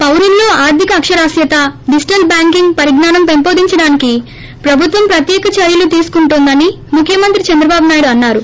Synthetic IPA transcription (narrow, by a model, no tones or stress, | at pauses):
pɐwɾunːo̞ːaːɾt̪ikɐːkʂɐɾaːsjɐt̪ɐɖisʈɐl̚baːŋkiŋɡpɐɾiɡnaːnɐmpempoːd̪iɲt͡ʃɐɽaːniki | pɾɐbʱut̪ʋɐmpɾɐt̪jɛːkɐt͡ʃɐɾjɐlut̪iːsu̥kuɳʈund̪ɐni | mukʰːjɐmɐnt̪ɾit͡ʃɐnd̪ɾɐbaːbunaːjɽuɐnːaːɾu